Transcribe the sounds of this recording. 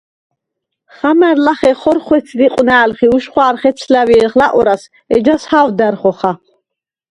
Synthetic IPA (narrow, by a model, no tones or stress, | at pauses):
χamɛɾlaχɛχɔɾχwɛt̪sʰdiqʼwnaːlχiuʃχwaːɾχɛt̪sʰlaviɛlχlaʔɔɾas | ɛ̰d͡ʒashawd̪æɾχɔχa